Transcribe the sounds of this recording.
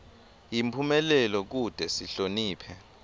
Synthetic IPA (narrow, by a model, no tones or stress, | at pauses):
jimpʰumɛlɛlɔk̬ud̥ʱɛsiɬoniːpʰɛ